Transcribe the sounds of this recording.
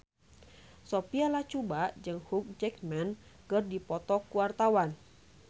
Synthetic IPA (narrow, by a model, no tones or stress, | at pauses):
sopialat͡ʃubad͡ʒɨŋhuk̚d͡ʒɛk̚mɛnkɨrdipɔt̪ɔkuwart̪awan